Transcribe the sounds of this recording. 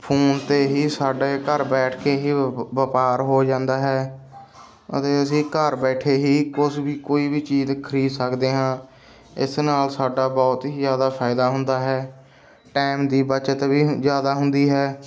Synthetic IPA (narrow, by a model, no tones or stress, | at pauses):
pʰuːnt̪eːɦiːsaːɖeːkəɾbɛːʈʰkeːɦiːʋəpaːɾɦoːd͡ʒãːnd̪aːɦɛː | ə̰t̪eːəsĩːkəɾbɛːʈʰeːɦiːkʊsbiːkoːiːbiːt͡ʃiːzkʰəɾiːd̪səkd̪eːɦãː | ɪsnaːlsaːɖaːbɔːt̪ɦiːzjaːd̪aːpʰaːɪd̪aːɦʊnd̪aːɦɛː | ʈɛːmd̪iːbət͡ʃət̪biːzjaːd̪aːɦʊnd̪iːɦɛː